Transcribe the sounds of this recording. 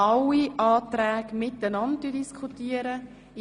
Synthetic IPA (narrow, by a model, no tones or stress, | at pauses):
ɑwiʔɑːtrɛːkmɪtənɑntdydiskʰχutiəɾə